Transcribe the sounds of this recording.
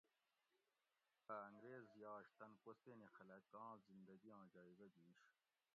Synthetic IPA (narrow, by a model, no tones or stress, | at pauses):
aːŋɡɾeːzjɑːʂt̪ɐnkost̪enexɐlɐkɑ̃ːzind̪ɐɡiɑ̃ːd͡ʑɑːibɐd̪iːʂ